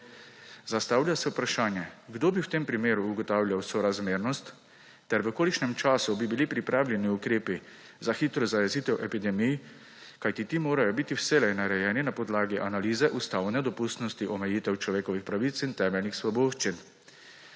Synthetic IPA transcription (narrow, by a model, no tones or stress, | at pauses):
zast̪aːwlʲjasɛupɾaʃaːnjɛɡd̪oːbiwt̪eːmpɾimeːɾuːɡɔt̪aːwljawsɔɾazmeːɾnɔst̪ː | ɛɾʋəkoːliʃnɛmt͡ʃaːsubibilipɾipɾʔaːwlʲjɛniukɾeːpi | zaxiːt̪ɾɔzajɛziːt̪ɛwʔɛpid̪ɛmij | kajt̪it̪iːmoːɾajɔbit̪iwsɛlɛjnaɾɛjɛːninapɔd̪laːɡiʔanaliːzɛʔust̪aːwnɛd̪ɔpust̪nɔst̪iʔɔmɛjiːt̪ɛwt͡ʃlɔʋeːkɔʋixpɾaʋit̪sint̪ɛːmɛlʲnixsʋɔboːʃt͡ʃin